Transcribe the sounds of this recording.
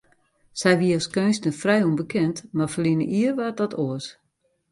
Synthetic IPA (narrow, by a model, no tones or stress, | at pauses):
sɛjʋiəɔskøːnsnəfrɛjunbəkʰɛntmarfərlinə̰ʔiərʋat̚dɔtʰoəs